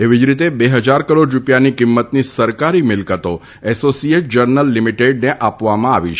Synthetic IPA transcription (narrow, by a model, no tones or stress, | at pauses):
eʋid͡ʒɾit̪ebeɦəd͡ʒaɾkəɾoɖɾupjanikimːət̪nisəɾkaɾimɪlkət̪o | ɛsosieʈ̚d͡ʒəɾnəlːimiʈeɖneʔapʋamãaʋit͡ʃʰ